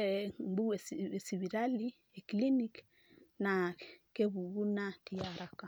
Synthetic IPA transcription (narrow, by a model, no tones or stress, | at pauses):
ɛmbuɛssiβiɾali | ɛklinik | nakɛβuɣunatijaɾaka